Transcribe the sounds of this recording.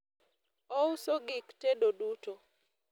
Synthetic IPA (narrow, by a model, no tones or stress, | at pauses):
ɔusoɡɪktedoduto